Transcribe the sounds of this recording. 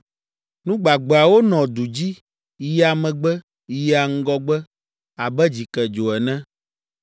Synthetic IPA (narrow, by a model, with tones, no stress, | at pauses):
nũ˦ɡ͡ba˨ɡ͡bɛ˨a˨wo˦nɔ̃˨d̪u˨d͡ʑi˦ | ja˨mɛ̃˨ɡ͡bɛ˦ | ja˨ŋ̩˦ɡɔ˦ɡ͡bɛ˦ | a˨bɛ˦d͡ʑi˨kɛ˨d͡ʒo˨ɛ˨nɛ̃˦